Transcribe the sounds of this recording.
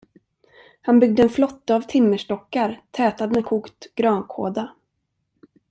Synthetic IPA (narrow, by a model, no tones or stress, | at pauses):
hanbʏɡ̚d̪əɛnflɔt̪ːaːvt̪ʰɪmːəʂʈɔkːaɾt̪ʰɛːt̪ad̪mɛkʰuːkt̪ɡ̥ɾɑːnkʰo̰ːd̪a